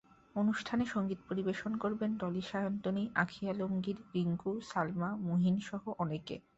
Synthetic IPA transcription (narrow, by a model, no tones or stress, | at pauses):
onuʃʈʰaneʃoŋɡit̪poɾibeʃonkoɾbenɖɔliʃajont̪oniʔakʰialomɡiɾɾiŋɡusalmamuɦinʃɔɦoʔɔnekḛ